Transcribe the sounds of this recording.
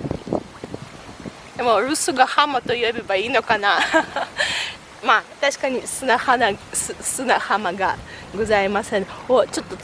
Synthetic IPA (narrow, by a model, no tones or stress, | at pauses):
d̪̥emo̞ɾɯ̟sɨɡahamat̪oiobʲebaiːno̞kana | maːt̪aɕi̥kaɲ̟isɨnahanasɨsɨnahamaɡaɡozaimasẽnot͡ɕo̞t̪ːo